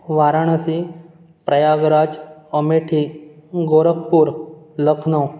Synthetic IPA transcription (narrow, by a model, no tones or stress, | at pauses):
ʋaɾaɳ̃əsi | pɾəjaɡɾad͡zəmeʈʰiɡoɾək̚puːɾləkʰnəw